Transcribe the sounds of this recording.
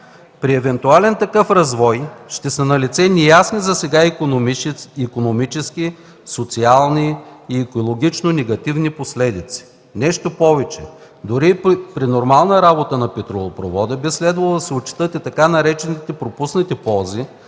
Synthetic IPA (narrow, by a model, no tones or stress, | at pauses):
pɾiɛvɛnt̪ualɛnt̪ɐkɤfɾɐzvɔjʃt̪ɛsɐnɐlit̪sɛnʲijasnizɐsɛɡai | ikonomit͡ʃɛski | sot̪sialˠniːɛkolˠoɡʲit͡ʃnonɛɡɐt̪ivniposlɛd̪it̪si̥ | nɛʃt̪opɔvɛt͡ʃɛ̰ | d̪oɾipɾinoɾmalˠnəɾabot̪ənɐpɛt̪ɾolˠopɾovɔd̪əbislɛd̪vɐlˠd̪ɐsɛot͡ʃi̥t̪ɤt̪ɛt̪ɐkanɐɾɛt͡ʃɛnit̪ɛpɾopusnit̪ɛpɔlˠzi